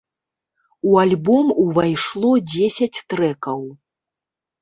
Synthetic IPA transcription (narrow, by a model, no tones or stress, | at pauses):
ualʲbɔmuvajʂlˠɔd͡zʲesʲɐt͡sʲt̪ɾɛkɐw